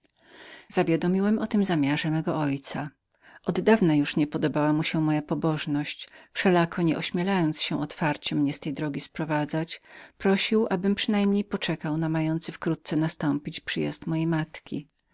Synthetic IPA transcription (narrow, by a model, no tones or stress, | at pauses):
zavʲjad̪ɔmʲiwɛmɔt̪ɘmzamʲjaʐɛmɛɡɔʔɔjt̪sa | ʔɔd̪ːavnajuʂɲɛpɔd̪ɔbawamuɕɛmɔjapɔbɔʐnɔɕt͡ɕfʂɛlakʰɔɲɛʔɔɕmʲjɛlajɔnt̪sɕɛʔɔt̪faɾt͡ɕɛmɲɛst̪ɛjd̪ɾɔɡʲispɾɔvad̪zat͡ɕpɾɔɕiwʔabɘmpʂɘnajmɲejpɔt͡ʂɛkawnamajɔnt̪sɨfkɾut̪̚t̪sɛnast̪ɔmpʲit͡ɕpʂɘja̰st̪mɔjejmat̪kʲḭ